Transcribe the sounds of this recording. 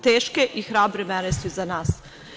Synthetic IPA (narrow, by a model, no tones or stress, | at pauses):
t̪eːʃkeʔixɾaːbɾemɛɾest̪uzanaːs